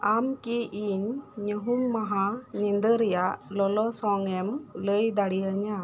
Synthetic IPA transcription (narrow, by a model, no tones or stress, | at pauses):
amkiʔiɲːəɦuŋmaɦanɛnd̪əɾɛjaʔlɔlɔsɔŋɛmləjd̪aɽijəɲa